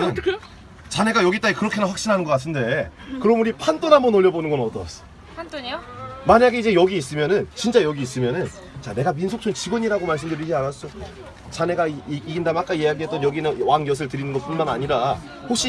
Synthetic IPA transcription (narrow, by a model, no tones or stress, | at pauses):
n | t͡ɕane̞ɡajʌɡit͈aikɯɾʌkʰe̞nanɸwak̚ɕ͈inɦanɯnɡʌk͈atʰɯnde̞kɯɾʌmuɾipʰant͈onɦamʌnoʎːʌbonɯnɡʌnʌt͈ʌs͈ʌ̥ | maɲaɡeid͡ʑe̞jʌɡiis͈ɯmjʌnɯnt͡ɕint͡ɕ͈ajʌɡiːs͈ɯmjʌnɯn | t͡ɕane̞ɡaminsʰok̚t͡ɕʰot͡ɕiɡɯɲiɾaɡomaɭs̬͈ɯmdɯɾid͡ʑianas͈ʌjo | t͡ɕane̞ɡaiɡindamak͈aijejaɡiɦet͈ʌnjʌɡinɯwaŋjʌs̬ʰɯɭtɯɾinɯnɡʌt̚p͈unmanaɲiɾa | hokɕ͈i